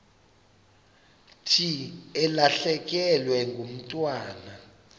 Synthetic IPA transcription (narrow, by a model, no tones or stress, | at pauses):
tʰiɛlaɬɛk̬ʼɛlwɛŋɡʱum̩tʼwaːna